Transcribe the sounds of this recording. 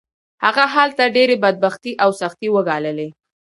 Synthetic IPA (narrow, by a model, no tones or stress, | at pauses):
haɣaɦalt̪aɖeɾebad̪̚baxt̪iʔawsaxt̪iwəɡɑləle